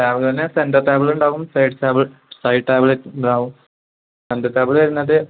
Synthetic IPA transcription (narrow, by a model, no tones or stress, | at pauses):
ʈaːbɐɭt̪ɐnːesendɐt̪aːbɐɭuɳɖaːɣumsɐjʈʈaːbɐɭsɐjɖ̚ʈaːbɐɭeuɳɖaːɣum | sendɐt̪aːbɐɭʋɐɾunːɐðɨ